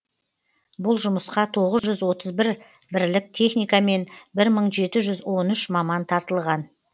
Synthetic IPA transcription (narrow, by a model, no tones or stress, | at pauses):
bʊlˠʒʊməsqɑt̪ʰo̞ʁəzʒʏzwo̞t̪əzbɪɾ | bɪɾlɪk̚t̪ʲʰe̞χnijkame̞nbɪɾməɴʒe̞t̪ɪʒʏzwo̞nʏʃmɑmɑnt̪ʰɑɾt̪əlˠʁɑn